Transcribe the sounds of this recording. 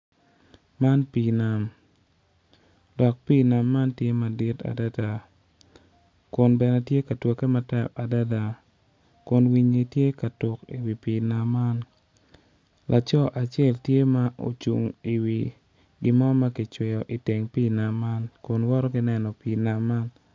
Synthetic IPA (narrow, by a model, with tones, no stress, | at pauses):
ma˦npi˨na˨m | dɔ˨k̚piː˦na˨mːa˦ntje˦ma˨di˦ta̰˨da˦da˨ | kʊ˨nbɛ˨nɛ˦tje˦ka˨two˨ke˦ma˨tɛ˦˨ka˨da˦da˨ | kʊ˨nwi˦ɲi˨tje˦ka˨tʊ˨kḭ˨wi˨piː˨na˨mːa˦n | lʔa˨t͡ʃɔ˦ʔa˨t͡ʃjɛ˦ltje˦ma˦ʔo̰˨t͡ʃṵ˨ŋi˨wi˨ | ɡɪ˦mɔ˦ma˦ki˨t͡ʃwɪ˨jɔ˨ʔi˨te˨ŋpiː˦na˨mːa˦nkʊ˨nwɔ˦ɾɔ˦ɡɪ˦nɛ˦nɔ˨piː˨na˨mːa˦n